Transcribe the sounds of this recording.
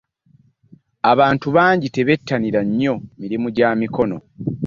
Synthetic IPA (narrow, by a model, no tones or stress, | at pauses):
aβaːntuβaːɲɟite̞βe̞tʰːaniɾaɲːo̞miɾimuɟaːmiko̞no̞̰